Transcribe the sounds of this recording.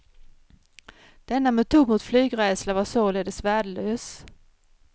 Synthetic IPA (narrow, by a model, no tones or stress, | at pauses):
d̪̥ɛnːamɛt̪ʰuːɡ̪mʊt̪flyːɡɾɛːslavasoːleːd̪əsvæːɖəløːs